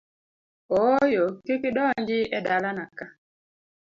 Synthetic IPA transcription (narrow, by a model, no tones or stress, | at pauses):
ɔjɔkekiɗɔnd͡ʒiɛdalanaka